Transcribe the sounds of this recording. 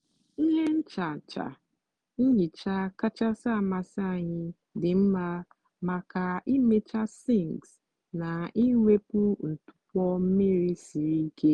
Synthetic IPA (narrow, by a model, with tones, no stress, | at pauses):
ɦe˦n̩˦t͡ʃa˨t͡ʃa̰˨ | n̩˦ɲi˨t͡ʃa˦ka˦t͡ʃa˦sa˦˨ma˨sa˦˨ɲɪ˦ | dɪ˨m̩˦ma˦ | ma˨ka˨i˦me˦t͡ʃa˦si˦˨ŋɡs | na˨i˦ŋʷe˦pʊ˦n̩˨tʊ̥˨kʷɔ˦m̩˦mi˦ɾi˦si˨ɾi˦ke˦